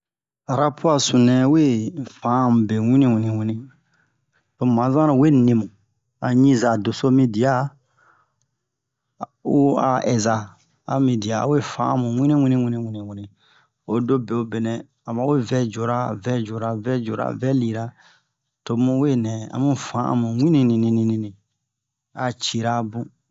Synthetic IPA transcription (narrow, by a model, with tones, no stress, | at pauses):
a˨ɾa˦pu˦a˨sũ˨nɛ̃˨we˦fã˨˦˨mũ˨be˨wĩ˦nĩ˦wĩ˨nĩ˨wĩ˦nĩ˦ | to˨mã˨˦zã˦ɾã˨˦we˦nĩ˨mũ˨ | a˨ɲĩ˦za˨do˨so˦mĩ˧di˨a˦ | u˦a̰˨ʔɛ˨za˨ | a̰˨mĩ˧di˨a̰˨we˦fã˨˦a˨mũ˨wʷĩ˦nĩ˦wĩ˦nĩ˦wĩ˦nĩ˧wĩ˧nĩ˨wĩ˦nĩ˨ | o˨do˦be˨o˦be˨nɛ̃˨ | a˨mã˨˦we˦vɛ˦d͡ʒo˨ɾa˦vɛ˦d͡ʒo˨ɾa˨vɛ˦d͡ʒo˨ɾa̰˨vɛ˦li˨ɾa˦ | to˨˦mũ˧we˦nɛ̃˨a̰˨mũ˦fã˨˦ʔã̰˨mũ˨wʷĩ˦nĩ˦nĩ˨nĩ˧nĩ˧nĩ˨nĩ˨ | a˨t͡ʃi˨ɾa˦bũ˦